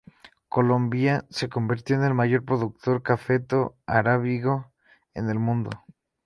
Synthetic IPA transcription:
ko̞lo̞mbjase̞ko̞mbiɾt̪joene̞lmaʝo̞ɾpɾo̞ðuk̚t̪o̞ɾkafe̞t̪o̞aɾaβiɣo̞ | ene̞lmũnd̪o̞̰

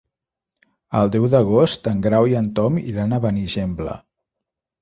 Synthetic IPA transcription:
ə̰lˠd̪ɛwðəɣost̪əŋɡɾawiənt̪ɔmḭlanəβəniʒemblə̰

